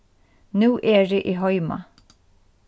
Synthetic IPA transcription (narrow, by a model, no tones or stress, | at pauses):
nuːʔɛːɹɪʔiɦɔjma̰